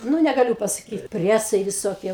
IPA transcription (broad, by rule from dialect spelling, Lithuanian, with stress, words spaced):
ˈnʊ nʲɛɡɐˈlʲʊ pɐsɐˈkʲiːt ˈpʲrʲiɛsɐɪ ʋʲɪˈsoːkʲiɛ ˈbʊʋoː ˈtʲɛn